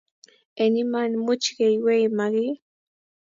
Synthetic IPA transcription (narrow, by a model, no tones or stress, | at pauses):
enimanmʊt͡ʃɢejwejmaɢi